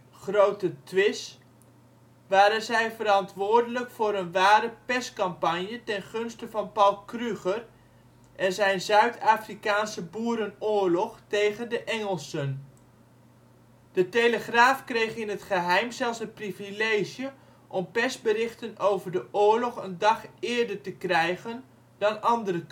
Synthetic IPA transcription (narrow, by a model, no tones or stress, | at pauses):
χrowtətʋɪs | ʋaːɾənzɛjvəɾɑntʋʊːɹdələkfʊːɾənʋaːɾəpɛskɑmpɑɲjətɛnχɵnstəvɑnpɑlˠkryχər | ʔɛnzɛjnzœɥtʰaːfrikaːnsəbuːɾənʊːɹlɔχtejχəndəʔɛŋəlˠsən | d̥əteləχraːfkrejχɪnɦətχəɦɛjmzɛlˠsətprivilejʒjə | ʔɔmpɛsbərɪχtənowvəɹdəʔʊːɹlɔχəndɑχɪːɹdəɹtəkrɛjχən | dɑnɑndərə